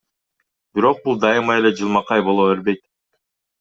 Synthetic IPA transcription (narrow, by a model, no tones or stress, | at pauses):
b̥iɾo̞q̚bulˠd̪ɑjɯmɑe̞le̞d͡ʒɯlˠmɑqɑjbo̞lˠo̞eɾbe̞jt̪